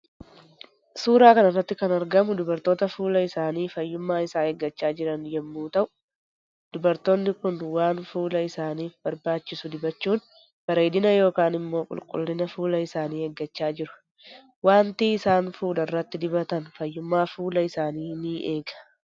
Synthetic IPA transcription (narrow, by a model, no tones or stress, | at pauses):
suːɾaːkɐnɐrːɐt̪ːɪkɐnɐɾɡɐmʊd̪ʊbɐɾt̪o̞ːt̪ɐfuːlɐɪsaːniːfɐjːʊmːaːɪsaːheɡːɐt͡ʃːaːd͡ʒɪɾɐnjɛmːuːt̪ɐʔʊ̥ | d̪̥ʊbɐɾt̪o̞ːnːɪkʊnwaːnfuːlɐɪsaːniːfbɐɾbaːt͡ʃːɪsʊd̪ɪbɐt͡ʃːuːn | b̥ɐɾeːd̪ɪnɐjo̞ːkaːnɪmːo̞ːkʼʊ̰lkʼʊ̰lːɪnɐfuːlɐɪsaːniːhɛɡːɐt͡ʃːaːd͡ʒɪɾʊ̥ | waːnt̪iːɪsaːnfuːlɐɪrːɐt̪ːɪd̪ɪbɐt̪ɐnfɐjːʊmːaːfuːlɐɪsaːniːnɪʔe̞ːɡɐ̥